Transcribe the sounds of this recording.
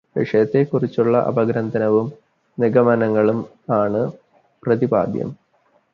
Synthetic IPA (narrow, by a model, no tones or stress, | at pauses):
ʋiʂɐjɐt̪ːe̞kurit͡ɕːuɭːɐʔɐ̰bɐɡɾɐnd̪ʱɐnɐʋum | niɡɐmɐnɐŋːɐɭum | aːɳɨ | prɐðiba̰ːd̪jɐ̰m